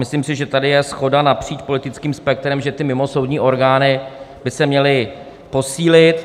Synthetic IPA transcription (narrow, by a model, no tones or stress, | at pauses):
mɪslimsɪʒɛt̪adɪjɛsxo̞danapr̝̥iːt͡ʃpo̞lɪt̪ɪt͡skiːmspɛk̚t̪ɾɛmʒɛt̪ɪmɪmo̞so̞wdɲiːʔo̞ɾɡaːnɪbɪsɛmɲɛlɪ | po̞siːlɪt̪